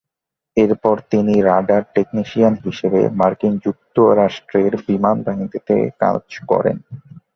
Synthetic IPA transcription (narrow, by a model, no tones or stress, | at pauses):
eɾpɔɾt̪iniɾaɖaɾʈekniʃianɦiʃebḛmaɾkind͡ʑuk̚t̪oɾaʃʈɾeɾbimanbaɦint̪it̪ḛka̰d͡ʑkɔ̰ɾḛn